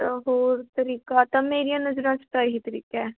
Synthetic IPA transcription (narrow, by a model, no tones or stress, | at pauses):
ɐɦoːɾt̪əɾiːkat̪ɐmeːɾijãnɐd͡ʒɾãt͡ʃʰʈ̪aːɦit̪əɾḭːkɛ